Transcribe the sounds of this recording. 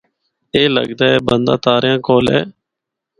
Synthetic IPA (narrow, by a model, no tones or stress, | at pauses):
eːlə̰ɡd̪aːɛːbənd̪aːt̪aːɾjãːkoːlḛː